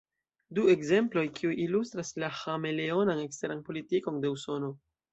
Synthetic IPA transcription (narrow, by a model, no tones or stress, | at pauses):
due̞kze̞mplo̞jkʰiujilustɾaslahame̞le̞o̞nane̞kste̞ɾanpo̞litiko̞nde̞uso̞no̞